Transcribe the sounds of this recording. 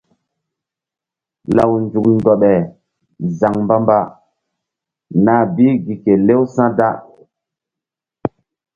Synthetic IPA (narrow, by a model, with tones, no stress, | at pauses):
la˨wnd͡ʒu˨k̚ndɔ˨ɓɛ˨ | za˨ŋmba˦mba˦ | na˨biː˦ɡi˨ke˨le˦wsã˦da˦